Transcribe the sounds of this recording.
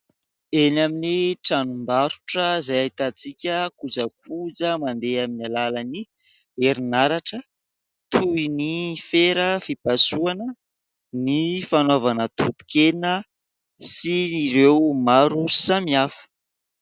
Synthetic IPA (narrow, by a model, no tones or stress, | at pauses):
enaminiʈ͡ʂanumbaɾu̥ʈ͡ʂəzajait̪at͡sikʲəkud͡zəkʰud͡zəmand̪eaminalaləni | eɾinaɾaʈ͡ʂə | t̪ʰuinifeɾəfipasuanə | nifanovanət̪ut̪u̥kenə | siiɾewmaɾusamiafu̥